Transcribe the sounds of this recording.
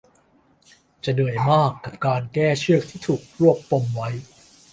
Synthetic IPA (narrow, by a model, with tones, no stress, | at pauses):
t͡ɕa˧˩nɯ˨˩əjmaː˥˩kːa˨˩p̚kaː˧nkɛː˥˩t͡ɕʰɯ˥˩ək̚t̪ʰiː˥˩t̪ʰuː˨˩k̚ɾu˥˩əkːo˧mwa˦˥j